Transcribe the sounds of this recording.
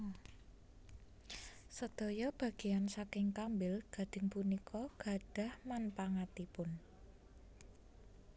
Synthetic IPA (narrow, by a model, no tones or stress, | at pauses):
səd̪̥o̤jɔb̥ä̤ɡ̥eansakɪŋkambɪlɡ̥ä̤d̪̥ɪ̤ŋpunikʰɔɡ̥a̤ɖ̥ä̤hmanpaŋat̪ipʊn